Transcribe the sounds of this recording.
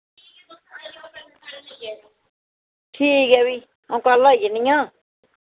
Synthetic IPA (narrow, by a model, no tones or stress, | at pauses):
tʰiɡɛwi | ãkalajinːiɲa